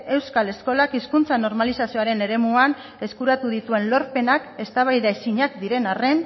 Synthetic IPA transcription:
e̞wskale̞sko̞lakiskunt͡sano̞ɾmalisasio̞aɾe̞ne̞ɾe̞muan | e̞skuɾat̪uðit̪ue̞nlo̞ɾpe̞nake̞st̪aβ̞ajðaesiɲakd̪iɾe̞nare̞n

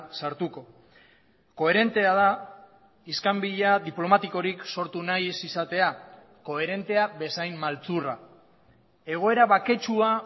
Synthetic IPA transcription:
saɾt̪uko̞ | ko̞e̞ɾe̞nt̪e̞að̞a | iskambiʎaðiplo̞mat̪iko̞ɾikso̞ɾt̪unajsisat̪e̞a | ko̞e̞ɾe̞nt̪e̞abe̞sajmmalt͡sura̰ | e̞ɣ̞o̞e̞ɾaβake̞t͡ʃua

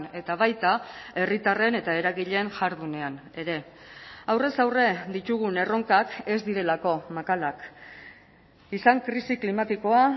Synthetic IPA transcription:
e̞t̪aβajt̪ae̞rit̪are̞ne̞t̪ae̞ɾaɣiʎe̞nʝaɾðune̞ane̞ɾe̞ | awre̞sawre̞d̪it̪uɣ̞une̞ro̞ŋkake̞zd̪iɾe̞lako̞makalak | isaŋkɾisiklimat̪iko̞a

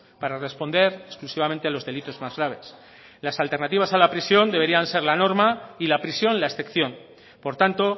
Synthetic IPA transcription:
paɾare̞spo̞nd̪e̞ɾesklusiβamẽnt̪ealo̞zðe̞lit̪o̞zmazɣɾaβ̞e̞s | lasalt̪eɾnat̪iβasalapɾisjo̞nd̪eβ̞e̞ɾianse̞ɾlano̞ɾmailapɾisjo̞nlaesθe̞kθjo̞n | po̞ɾt̪ant̪o̞

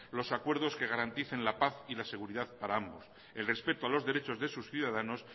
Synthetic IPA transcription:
lo̞sakwe̞ɾðo̞ske̞ɣ̞aɾant̪iθe̞nlapaθilase̞ɣ̞uɾiðaðpaɾaambo̞s | e̞lre̞spe̞t̪oalo̞zðe̞ɾe̞t͡ʃo̞zðe̞susθjuðaðano̞s

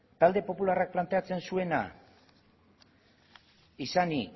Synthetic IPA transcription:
t̪ald̪e̞po̞pularak̚plant̪e̞at͡se̞nsue̞na̰ | isani

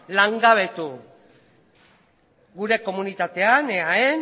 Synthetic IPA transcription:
laŋɡaβ̞e̞t̪u | ɡuɾe̞ko̞munit̪at̪e̞aneaen

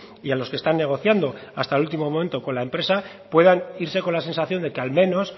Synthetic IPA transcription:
ialo̞ske̞st̪anːe̞ɣ̞o̞θjand̪o̞ast̪alult̪imo̞mo̞mẽ̞nt̪o̞ko̞nlaempɾe̞sa | pwe̞ðaniɾse̞ko̞nlas̬e̞nsaθjo̞nd̪e̞kealmẽ̞no̞s

